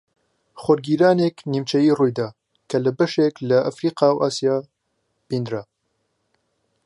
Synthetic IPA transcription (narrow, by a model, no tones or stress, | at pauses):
xʷɔɾɡiːɾaːnekniːmt͡ʃʰɛjiːruːjd̪aː | kʰɐləbɐʃeklɐʔafɾiːqɑːwʔaːsijaː | b̥iːnd̪ɾa